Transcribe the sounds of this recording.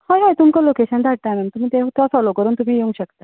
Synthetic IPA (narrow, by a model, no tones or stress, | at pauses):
hajɦajt̪umkɔlokeɕənd̪ʱaʈ̚t̪amɛmt̪um̤iːt̪et̪asɔlokəɾuːnt̪um̤iːjeũŋɕəkt̪a